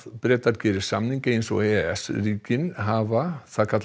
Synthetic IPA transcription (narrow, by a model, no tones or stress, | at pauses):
pɾɛːt̪aɾcɛːɾɪ̥samniŋcɪejnso̰ɛɛsriːcɪnɦavaθaðkʰat̪l